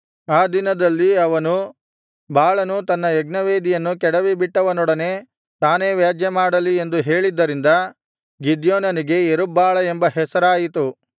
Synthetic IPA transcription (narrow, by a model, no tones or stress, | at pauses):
aːd̪inɐd̪ɐlːiɐʋɐnu | baːɭɐnut̪ɐnːɐɛɡnɐʋeːd̪ijɐnːukɛɽɐʋibiʈːɐʋɐnɔɽɐne̞ː | t̪aːne̞ːʋjaːd͡ʒjɐmaːɽɐliend̪uɦe̞ːɭid̪ːɐɾind̪ɐ | ɡid̪joːnɐniɡe̞eɾubaːɭɐembɐɦɛsɐɾaːjit̪u